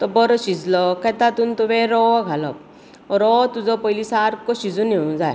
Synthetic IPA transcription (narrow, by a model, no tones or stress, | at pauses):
t̪ɔbɔɾɔsid͡zlɔkat̪at̪unt̪uʋeɾɔɡʱalɔ̰p̚ | ɔɾɔt̪ud͡zɔpɔjlisaɾkɔsid͡zuneũd͡zaj